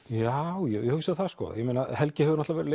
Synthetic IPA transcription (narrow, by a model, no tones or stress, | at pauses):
jawjɛjɛhʏksaðθaðskɔ̰jɛmejnahɛlcɪhɛvʏɾnat̪avɛɾɪle